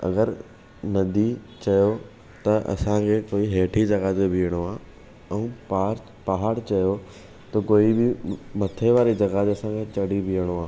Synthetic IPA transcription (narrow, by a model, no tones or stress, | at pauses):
ɐ̰ɡəɾ | nɐd̪ʱit͡ɕɐjo | t̪ɐʔɐ̰sãkʰeːkoːiɦeːʈʰid͡ʑɐɡaːt̪bʱijəɽ̃oaː | ɛ̃pa | pɐɦaːɽt͡ɕɐjo | t̪ɐkoːibɪmɐt̪ʰeʋaːɾid͡ʑɐɡaːd̪ɐsãkʰet͡ɕɐɽibʱijəɽ̃oaː